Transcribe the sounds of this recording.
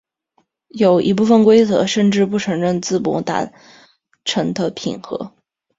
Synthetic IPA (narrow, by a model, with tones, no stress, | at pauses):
jo˨˩ʊʔi˧˥p̬u˥˩fə˥˩nkwe˥ɪt͡sɤ̰˧˥ʂə˥˧nʈ͡ʂɻ̩˥˧pu˥˩ʈ͡ʂʰɤ˧˥ŋɻə˥˩nt͡sɹ̩˥˩pwɔ̰˧˥t̪a̰˨˧˩ | ʈ͡ʂʰɤ˧˥ŋt̪ʰə˧˩pʰḭ˨˩nxɤ̰˧˥